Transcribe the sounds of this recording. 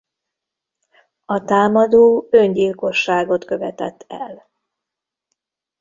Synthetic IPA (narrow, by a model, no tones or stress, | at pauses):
ɒt̪aːmɒd̪oːøɲɟilko̞ʃːaːɡo̞t̪kø̞vɛt̪ɛ̰t̪ʰːɛ̰l